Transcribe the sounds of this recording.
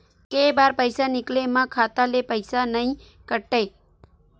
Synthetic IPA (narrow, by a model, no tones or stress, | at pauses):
kejbaːɾpəɪsanɪklemãkʰaːt̪alepəɪsanəĩ | kəʈeː